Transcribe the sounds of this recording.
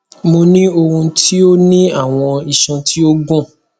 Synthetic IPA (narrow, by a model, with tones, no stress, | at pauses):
mo˧nĩ˦o˧ɾũ˧tʰi˦o˦nĩ˦a˦˨w̃ɔ̃˧i˨ʃã˧tʰi˦o˦ɡũ˦˨